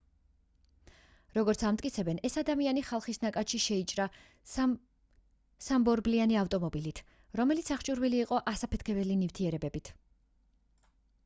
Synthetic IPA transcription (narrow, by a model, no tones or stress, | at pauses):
ɾɔɡɔɾt̪sʰamt̪ʼkʼit̪sʰɛbɛnɛsad̪amianiχalˠχisnakʼat̪ʃiʃɛit͡ʃʼɾa | sambɔɾblianiaft̪ʼɔmɔbilit̪ʰ | ɾɔmɛlit̪sʰaχt͡ʃʼuɾviliːqʼɔʔasapʰɛt̪ʰkʰɛbɛlinift̪ʰiɛɾɛbɛbit̪ʰ